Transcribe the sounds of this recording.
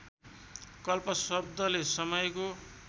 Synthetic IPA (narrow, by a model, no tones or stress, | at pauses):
kʌlpʌsʌb̚d̪ʱʌlesʌmʌjko